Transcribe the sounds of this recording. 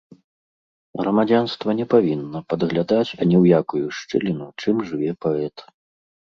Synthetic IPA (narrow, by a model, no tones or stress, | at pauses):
ɣɾɐmad͡zʲanst̪vɐnʲɛpavʲinːɐpɐd̪ɣlʲad̪at͡sʲɐnʲɛwjakujuʂt͡ʂɨ̰lʲinut͡ʂɨmʐɨvʲɛpaɛt̪